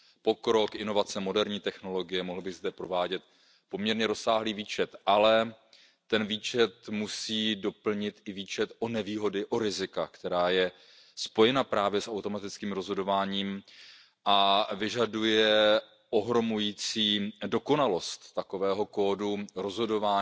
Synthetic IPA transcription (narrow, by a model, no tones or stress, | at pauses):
po̞kɾo̞kʔɪno̞vat͡sɛmo̞dɛɾɲiːt̪ɛxno̞lo̞ɡɪjɛmo̞ɦl̩bɪɣzdɛpɾo̞vaːɟɛt̪̚ | po̞mɲɛɾɲɛɾo̞saːɦliːviːt͡ʃɛt̪ʔalɛ | t̪ɛnviːt͡ʃɛt̪musiːdo̞pl̩ɲɪt̪ɪviːt͡ʃɛt̪ʔo̞nɛviːɦo̞dɪʔoɾɪzɪkakt̪ɛɾaːjɛ | spo̞jɛnapɾaːvjɛsawt̪o̞mat̪ɪt͡skiːmɾo̞zɦo̞do̞vaːɲiːm | ʔavɪʒadujɛ | ʔo̞ɦɾo̞mujiːt͡siːdo̞ko̞nalo̞st̪ːako̞vɛːɦo̞koːduɾo̞zɦo̞do̞vaː